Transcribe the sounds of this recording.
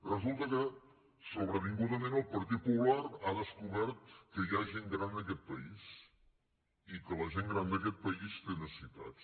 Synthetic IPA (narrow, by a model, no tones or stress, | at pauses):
rəzulˠt̪əkə | soβɾəβiŋɡuðəmẽnəlˠpəɾt̪it̪̚pulaɾaðəskuβɛɾt̪kəjaʒeŋɡɾand̪ək̬ɛt̪̚pəis | ikələʒeŋɡɾand̪əkɛt̪̚pəist̪enəsəsit̪a̰t̪s